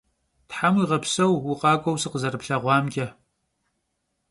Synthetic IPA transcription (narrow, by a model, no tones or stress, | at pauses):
tħamiːʁɐpʰsɐwwʊqʼɑːkʷʼɐwsɨqəzɐɾɨpɬɐʁʷɑːmɡʲʼɐ